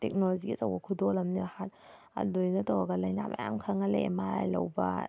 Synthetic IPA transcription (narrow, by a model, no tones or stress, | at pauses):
tek̚noloziɡit͡ʃɐwbɐkʰudolɐmnihat | ɐ̰lojnɐtowɐɡɐlɐjnama̰ja̰mkʰɐŋɐlḛmaɾa̰jlɐ̰wbɐ̰